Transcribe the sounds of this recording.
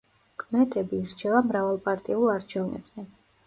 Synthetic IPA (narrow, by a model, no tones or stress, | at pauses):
kʼmɛt̪ʼɛbiɾt͡ʃʰɛvamɾavalˠpʼaɾt̪ʼiulˠaɾt͡ʃʰɛvnʔɛ̰bz̥ɛ